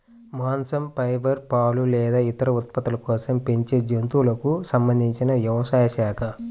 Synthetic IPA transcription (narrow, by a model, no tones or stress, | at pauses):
maːnsɐmpɐjbɐɾpaːlulɛːd̪aːit̪ɐɾɐut̪̚pɐt̪ulɐkɔːsɐmpeɲt͡ʃeːd͡ʒent̪ulɐkusɐmbɐnd̪ʱiɲt͡ʃinɐjɐʋɐsaːjɐʃaːkʰɐ